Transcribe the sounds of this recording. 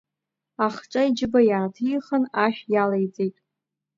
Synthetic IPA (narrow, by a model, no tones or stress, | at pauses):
aχʈ͡ʂʼaid͡ʒɪbajaːtʰɨjχənaħʲᶣjalejd͡zʼejtʼ